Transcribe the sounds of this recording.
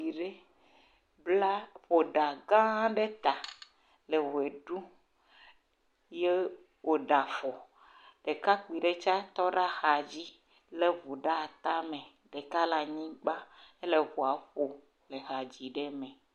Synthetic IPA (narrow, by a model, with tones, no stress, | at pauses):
i˨ɖe˦ | bla˦ɸo˨ɖa˨ɡã˦ɖe˦t̪a˨ | le˨wo˨e˨ɖu˦ | je˦ | wo˨ɖa˨fɔ˨ | ɖ̥e˨ka˦k͡pi˨ɖe˦t͡ʃa˦t̪ɔ˦ɖa˦xa˨d͡ʑi˦ | le˨vu˨ɖa˦˨t̪a˦mɛ̃˨ | ɖe˨ka˦la˨ɲĩ˦ɡ͡ba˦e˦le˨vu˨a˨ɸo˨ | le˨ɣa˨d͡ʑi˨ɖɛ˦mɛ̃˨